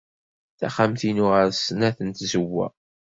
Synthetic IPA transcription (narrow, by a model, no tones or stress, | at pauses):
θæ̰χamθinʊʁəɾsənæθənt̪zəwːæ̰